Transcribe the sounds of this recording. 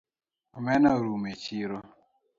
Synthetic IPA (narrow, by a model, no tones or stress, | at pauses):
omenaɾumet͡ʃiɾo